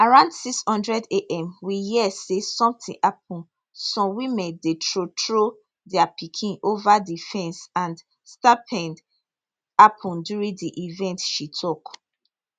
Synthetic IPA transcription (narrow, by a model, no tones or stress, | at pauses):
aɹãʊ̃ndsikshɔ̃ndɹɛdeʔɛ̃mwijiɛsesɔ̃mtĩŋʔap̚ʰɔ̃n | sɔ̃mwimɛ̃ndetɹotɹo | dɛapikʰĩnovadifɛ̃nsãnd | stapʰɛ̃nd | apʰɔ̃ndjuɹĩdiʔivɛ̃ntʃitʰɔk